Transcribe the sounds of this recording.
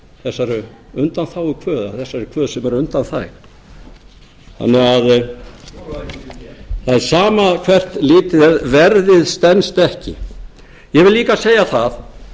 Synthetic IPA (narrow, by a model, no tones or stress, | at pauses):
θɛsːaɾʏ | ʏnt̪anθawɪkʰvœːða̰θɛsːaɾɛɾkʰv̥œːðsɛmɛɾʏnt̪anθa̰jx | θa̰nːɛɣað | θaðɛɾ̥saːmakʰvɛr̥t̪lɪːt̪ɪðɛðvɛɾðɪðst̪ɛnst̪ɛhcɪ | jɛvɪlliːkaseːjaθað